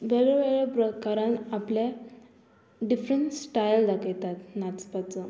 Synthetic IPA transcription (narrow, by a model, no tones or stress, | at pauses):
ʋeɭɛʋeɭɛpɾəkaɾãnaplja | ɖifɾəɳʈsʈajld̪akejt̪at̪nat͡spat͡sə